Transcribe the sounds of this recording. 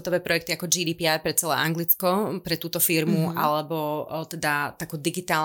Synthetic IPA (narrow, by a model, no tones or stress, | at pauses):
t̪ɔʋɛːpɾɔjɛk̚t̪iakɔd͡ʒiːd̪iːpiajpɾɛt͡sɛlɛ̰ːʔaŋɡlit͡skɔpɾɛt̪uːt̪ɔfiɾmualɛbɔt̪ɛd̪at̪akuːd̪iɡit̪aː